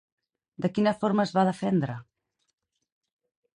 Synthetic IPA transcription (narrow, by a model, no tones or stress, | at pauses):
d̪əkinəfoɾməzβaðəfɛnd̪ɾə